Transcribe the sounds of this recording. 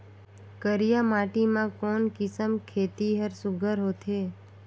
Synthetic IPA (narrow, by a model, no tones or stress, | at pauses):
kəɾijamaʈimãkonkɪsəmkʰet̪iɦəɾsʊɡʱəɾɦot̪ʰe